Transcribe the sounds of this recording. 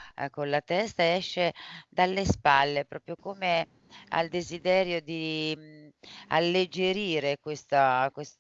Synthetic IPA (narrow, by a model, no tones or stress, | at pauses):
konlat̪ɛst̪aeɛʃːed̪alːespalːepɾɔːpɾjokoːme | a̰ld̪ezid̪ɛːɾjod̪i | a̰lːed͡ʒeɾiːɾekwest̪akwest̪